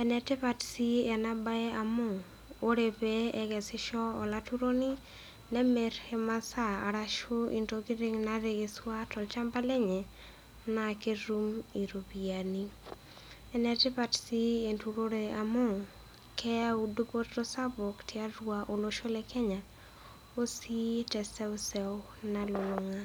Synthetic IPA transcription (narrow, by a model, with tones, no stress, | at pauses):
ɛnɛ˨tɪ˦pa˨tsi˦ɛ˨na˦ba˦ɛ˦a˨mo˦˨ | o˦ɾe˨peɛɡɛ˨sɪ˦ʃɔ˦ɔ˨la˦tu˦ɾo˦ni˦ | nɛ˦me˨ɾhe˦ma˦sa˦a̰˨ɾaʃo˦ḭ˨ntoɡɪ˦ɾɪ˦ŋna˦ɾe˨ɡe˨swa˦tɔ˨lt͡ʃa˦mba˦le˦ɲɛ˨ | na˨ke˦ɾumi˨ɾo˨bia˨ni˦ | ɛ˦nɛ˦tɪ˦pa˨tsi˦e˨ntuɾo˦ɾea˨mo˦ŋ | kʰɛ˦a˦udo˦po˦tɾo˦sa˦bo˨ktia˦ɾwaʔo˨lo˦ʃo˦le˦kʰɛ˦ɲa˨ | o˦si˦tɛsɛ˦u˦sɛw | nalo˨lo˨ŋa˦